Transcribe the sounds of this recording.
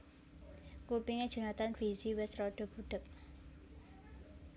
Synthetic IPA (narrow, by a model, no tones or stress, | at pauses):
kupiŋe̥ʒ̥ə̤nat̪anfiziwɛsrɔɖ̥ɔ̤b̥uɖ̥ək̚